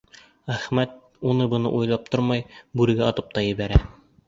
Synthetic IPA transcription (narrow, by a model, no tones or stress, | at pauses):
æχmæt̪̚ | unɤbɤ̆nɤ̰ʔujlˠɑp̚t̪oɾmɑjbʉɾɘ̆ɡæɑt̪ɤp̚t̪ɑjɘ̆βæɾæ